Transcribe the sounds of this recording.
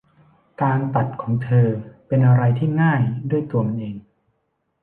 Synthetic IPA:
kaː˧nt̪a˨˩t̪̚kʰɔː˩˦ŋt̪ʰɤː˧pe˧nʔa˧ɾa˧jt̪ʰiː˥˩ŋaː˥˩jdu˥˩əjt̪u˧ɐma˨nʔeː˧ŋ

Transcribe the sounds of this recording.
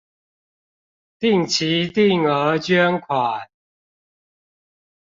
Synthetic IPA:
t̪i˥˨ŋt͡ɕʰi˨˦t̪i˥˨ŋə˨˧˥t͡ɕɥɛ˥˦nkʰwa˨˩n

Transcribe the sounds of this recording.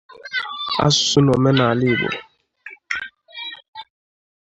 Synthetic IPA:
a̰˦su̥˨su˦nɔ˨mɛ˦na˨li˦˨bɔ̰˨

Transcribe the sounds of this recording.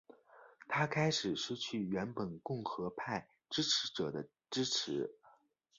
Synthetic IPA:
t̪ʰa˥kʰa˥ɪʂɻ̩˨˩ʂɻ̩˥t͡ɕʰy˥˩ɥɛ˧˥npə˨˩nkʊ˥˩ŋxɤ˧˥pʰa˥˩ɪ | ʈ͡ʂɻ̩˥ʈ͡ʂʰɻ̩˧˥ʈ͡ʂɤ˨˩d̪ə˦ | ʈ͡ʂɻ̩˥ʈ͡ʂʰɻ̩˧˥

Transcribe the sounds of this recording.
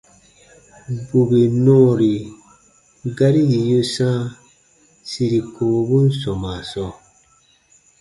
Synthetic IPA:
bu˨be˨nɔ̃ː˦˨ɾi˨ | ɡa˦ɾi˦ji˨jo˦sã˦ | si˧ɾi˨kʰoː˨bu˦n˦sɔ̃˨ma˨sɔ˦˨

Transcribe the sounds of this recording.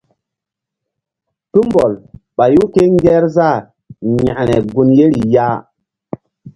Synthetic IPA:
tu˦mbɔ˨lɓa˨ju˦ke˦ŋ˦ɡɛ˦ɾza˦˨ɾ | ɲa̰˨ʔnɛ˨ɡu˨nje˦ɾi˨ja˦

